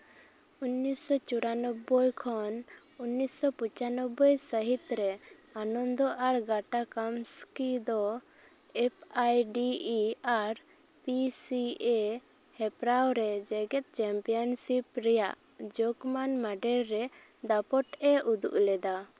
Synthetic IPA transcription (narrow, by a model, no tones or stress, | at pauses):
unːisɔt͡ʃuɾanɔbɔjkʰɔn | unːisɔput͡ʃanɔbɔjsəɦit̪ɾɛ | anɔnd̪ɔʔaɾɡaʈakamskid̪ɔ | ɛp̚ʰajɖiiaɾ | pisie | hɛpɾawɾɛd͡ʒɛɡɛt̪̚ˀt͡ʃɛmpijɔnsipɾɛja̰ʔ | d͡ʒokmanmaɖɛɾːɛ | d̪apɔʈɛʔud̪ṵʔlɛd̪a